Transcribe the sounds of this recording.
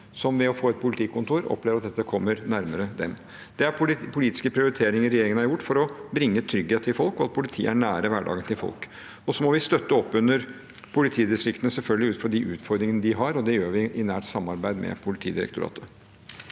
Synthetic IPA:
sɔmʋɛɔfoːɛt̪̚pʰʊlɪt̪ʰɪːkʊnt̪ʰuːɾɔ̰pleːʋɾɑt̪̚d̪ɛt̪ːəkʰɔmːəɾnæɾməɾəd̪ɛm | d̪̥ɛæɾpʰʊliːt̪ɪ̥skəpʰɾɪʊɾɪt̪ʰeːɾɪŋəɾɛjeːɾɪŋənɑɾjʊʈːfɔɾɔbɾɪŋːət̪ʰɾʏɡheːt̪əɪlfɔlkɔɑt̪̚pʰʊlɪt̪ʰiːəæɳæːɾəʋæɖɑ̰ːɡənt̪ʰɪlfɔ̰lk | ɔsɔmɔʋɪst̪œt̪ːəɔpːʉnəɾ | pʰʊlɪt̪ʰiːd̪ɪst̪ɾɪkt̪ənəsɛlfœlɡəlɪʉːfɾɔɖɪʔʉːt̪fɔɾd̪ɾɪŋənəd̪ɪɦɑɾɔd̪ɛjøːʋɪʔɪnæːʈsɑmːɑɾbæɪd̪mʔɛ̰pʰʊlɪt̪ʰḭːd̪ɪɾɛ̰kt̪ʰʊɾɑ̰ːt̪ʰə

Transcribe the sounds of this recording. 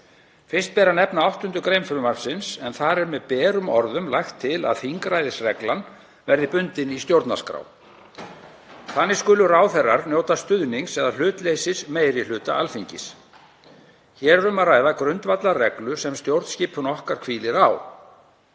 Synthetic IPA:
fɪ̥st̪̚pɛːɾanɛpnaawht̪ʏnt̪ʏkɾejmfʏɾʏmaɾfsɪnsɛnθaɾɛɾmɛðpɛːɾʏmɔɾðʏmlajxt̪ʰːɪla̰ðθiŋkɾajðɪsrɛklan | vɛɾðɪpʏnt̪ɪnist̪jowɾt̪naskɾa̰w | θanːɪ̥skʏlʏraːwθɛrːaɾnjoːwt̪ast̪ʏðniŋsɛðal̥ʏːt̪lejsɪsmeːjɾɪlʏːt̪a̰ʔalfiɲcɪ̰s | çɛːɾɾʏmaraːjðakɾʏnt̪vat̪larɛklʏsɛmst̪jowɾt̪sciːphʏnɔhkaɾ̥kʰviːlɪɾaw

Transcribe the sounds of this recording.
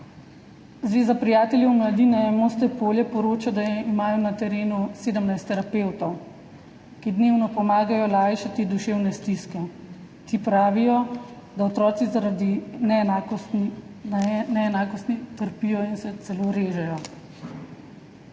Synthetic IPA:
zʋeːzapɾijaːt̪ɛljɛwmlad̪iːnɛɛmost̪ɛpoːljɛpɔɾoːt͡ʃad̪ajɛimaːjɔnat̪ɛɾeːnuseːd̪əmnajst̪ɛɾapeːwt̪ɔw | kid̪neːwnɔpɔmaːɡajɔlaːjʃat̪id̪uʃewnɛst̪iskɛ | t̪ipɾaːʋijɔ | d̪aɔt̪ɾɔːt̪sizad̪inɛa | nɛːnaːkɔst̪nit̪əɾpijɔinsɛt̪sɛloːɾeːʒɛjɔ

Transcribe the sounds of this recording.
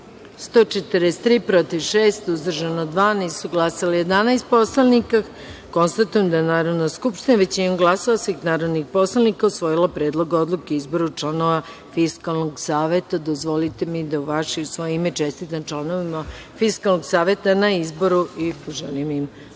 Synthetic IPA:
st̪o̞ːt͡ʃet̪əɾest̪ːɾiːpɾo̞t̪iʋʃeːst̪uzd̪r̩ʒanod̪ʋaːniːsuɡlˠasalije̞d̪anajst̪̚po̞slˠanika | ko̞nst̪at̪ujemd̪ajenaːɾo̞d̪naskupʃt̪inaʋet͡ɕinoɡlˠasaasʋixnaːɾod̪nixpo̞slˠanikausʋo̞jilapɾe̞ːd̪lˠo̞ɡao̞d̪lˠukeizbo̞ɾut͡ʃlˠano̞ʋa | fiskalˠnoɡsaːʋe̞t̪ad̪ozʋo̞lit̪emid̪auʋaʃiusʋo̞jeimet͡ʃe̞st̪it̪ant͡ʃlˠanoʋima | fiskalˠnoɡsaːʋe̞t̪anaizbo̞ɾuipoʒelimim

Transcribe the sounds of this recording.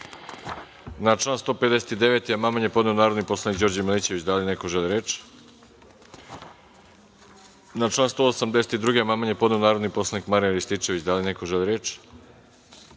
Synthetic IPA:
nat͡ʃlˠaːnst̪o̞ːped̪eset̪id̪eʋet̪ijamamaɲjepo̞d̪neonaːɾod̪niposlˠanikd͡ʑo̞ɾd͡ʑamelit͡ɕeʋit͡ɕd̪alinekoʒelˠiɾeːt͡ʃ | nat͡ʃlaːnst̪oosamd̪e̞se̥t̪id̪ɾuːɡejamamaɲepo̞d̪neonaːɾo̞d̪nipo̞slˠanikmaɾinɾist̪it͡ʃe̞ʋit͡ɕd̪alinekoʒeliɾeːt͡ʃ

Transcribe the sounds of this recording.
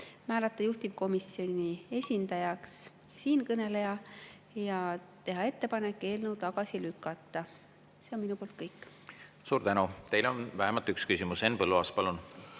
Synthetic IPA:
mæːlɑt̪ːˑɑjuht̪iv̥ko̞misjo̞nʲie̞sʲind̪̥ɑjɑks | siːnkɤne̞le̞jɑ | jɑt̪e̞ɦɑe̞t̪ːe̞pɑne̞kːˑe̞ːlnuwt̪ɑɡ̥ɑsilykːˑɑt̪ːˑɑ | se̞o̞nminupolt̪kɤjkː | suːɾt̪ænut̪e̞jlonvæɦemɑlt̪ykskysimuse̞npɤlːuɑspɑlun

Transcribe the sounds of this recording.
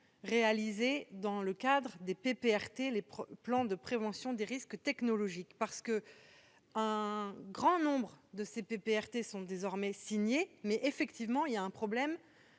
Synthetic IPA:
ʁealized̪ɑ̃ləkad̪ʁəd̪epepeɛʁt̪elepplɑ̃d̪əpχevɑ̃sjɔ̃d̪eʁiskt̪ɛknɔlɔʒikpaʁsə̥kə | ɛ̃ɡʁɑ̃nɔ̃bʁd̪əsepepeɛʁt̪esɔ̃d̪ezɔʁmɛsiɲjemɛʔefɛkt̪ivmɑ̃iljaɛ̃pχɔblɛm

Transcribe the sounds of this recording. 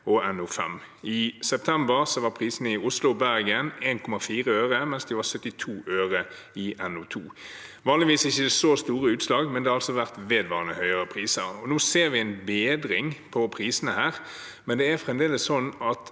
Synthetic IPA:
ɔɛnʊfɛ̰m | ɪsɛp̚t̪ʰɛmbəʁsɔʋɑʁpʰʁiːsənəɪʊslʊbæʁɡəneːnkʰɔmɑfiːʁəøːʁəmɛnsd̪ɪʋɑʁsœt̪ːɪt̪ʰuːʔøːʁə | ɪʔɛnʊt̪ʰṵː | ʋɑːnlɪʋiːsɪçːəd̪ɛsoːst̪uːʁəʉːt̪slɑːɡmɛnd̪ɛhɑɾɑlsɔʋæʁt̪ʋeːd̪ʋɑːʁənəhœʏəʁəpʰʁiːsəɾɔnuːseːʁʋɪæɪnbeːd̪ɾɪŋpʰɔpʰʁiːsənəhæːʁ | mɛnd̪ɛæɾfʁɛmd̪eːləssɔnːɑt̪

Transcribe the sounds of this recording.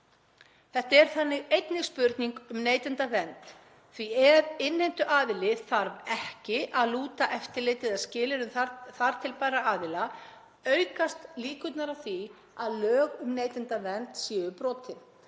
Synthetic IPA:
θɛht̪aɛɾ̥θanːɪɣejt̪nɪɣspʏɾt̪niŋkʏmneːjt̪ɪnt̪avɛnt̪ | θviɛðɪnːejnt̪ʏʔaːðɪlɪθaɾvɛhcɪʔaðluːt̪aʔɛft̪ɪɾlejt̪ɪðaðscɪːlɪɾʏmθθaɾ̥t̪ʰɪlpaːɾaaːðɪla | œːɥkast̪liːkʏt̪naɾaθi | aðlœːɣʏmneːjt̪ɪnt̪avɛnt̪sjɛːʏpɾɔːt̪ʰɪn

